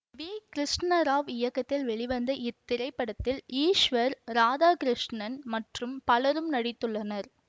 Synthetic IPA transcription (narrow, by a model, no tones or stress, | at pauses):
ʋiːkɪɾɪʂʈnɐɾaːʋɪjɐkːɐt̪ːɪlʋɛɭɪʋɐnd̪ɐʔɪt̪ːɪɾɐɪpːɐɽɐt̪ːɪliːʂʋɐɾɾaːðaːkɪɾɪʂnɐnmɐʈrɯmpɐlɐɾɯmnɐɽɪt̪ːɯɭːɐnɐɾ